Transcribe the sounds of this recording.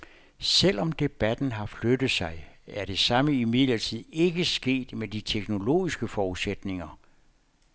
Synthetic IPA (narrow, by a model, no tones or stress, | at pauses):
sel̰ɒ̽md̥e̝b̥æd̥n̩ɦɑ̈flød̥ð̩ˠsɑ̈ɪæɐɾ̥e̝sɑ̈məimið̞̰ˠlɐt͡sʰið̞̰ˠe̝ɡ̥əsɡ̥e̝̰ːd̥med̥it͡sʰeɡ̥no̝lo̝̰ːisɡ̥əfɒːuðˠsed̥ne̝ŋɐ